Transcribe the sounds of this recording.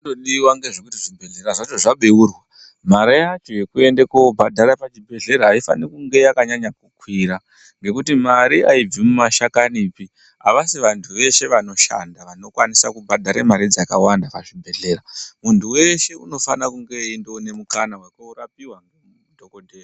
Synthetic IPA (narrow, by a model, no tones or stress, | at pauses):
doɗiwaŋɡe̞ʐekutiʐibʱe̞ɮe̞ɾaʐat͡ʃo̞ʐaɓeurwa | maɾajat͡ʃojekue̞ndekobʱadʱaɾapat͡ʃibʱe̞ɮe̞ɾaɦaifa̰nikuŋɡe̞jakaɲaɲakukwiɾa | ŋɡe̞kutimaɾiaib͡vimumaʃakanipi | aʋasiʋantʰuʋe̞ʃe̞ʋano̞ʃa̰ndaʋano̞kwanisa̰kubʱadʱaɾemaɾid͡zakawandapaʐibʱe̞ɮe̞ːɾamuntʰuwe̞ʃe̞uno̞fanakuŋɡe̞indone̞mukanawekouɾapiwaŋ | dʱokodʱea